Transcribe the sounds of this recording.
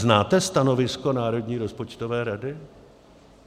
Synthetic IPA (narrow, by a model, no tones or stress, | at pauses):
znaːt̪ɛst̪ano̞vɪsko̞naːɾo̞dɲiːɾo̞spo̞t͡ʃt̪ovɛːɾadɪ